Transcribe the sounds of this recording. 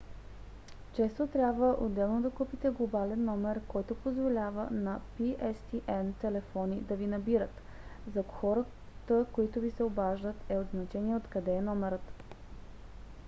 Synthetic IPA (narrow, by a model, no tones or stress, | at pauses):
t͡ʃɛst̪ot̪ɾʲabvəʔod̪ːɛlˠnod̪ɐkupit̪ɛɡlˠobalɛnːɔmɛɾkɔjt̪opozvolʲavə̰nɐpiʔɛst̪iʔɛnt̪ɛlɛfɔnid̪ɐvinɐbiɾət̪ | zɐxɔɾə | t̪əkoit̪ʊvisɛobaʒd̪ət̪ɛod̪znɐt͡ʃɛniɛot̪kɐd̪ɛːnɔmɛɾət̪